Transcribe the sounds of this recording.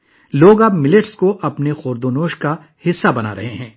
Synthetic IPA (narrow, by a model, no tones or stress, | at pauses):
loːɡaːbmɪlɪʈskoʔɐpnexoːɾd̪oːnoːʃka | hɪsːabɐna̰ːɾɐ̰ɦeɦɛ̃ː